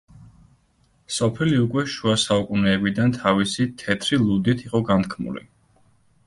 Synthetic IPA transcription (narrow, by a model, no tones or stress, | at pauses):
sɔpʰiliukʼwɛʃuasaukʼunɛːbid̪ant̪ʰavisit̪ʰɛt̪ʰɾilˠud̪it̪ʰiqʼɔɡant̪kʰmṵlḭ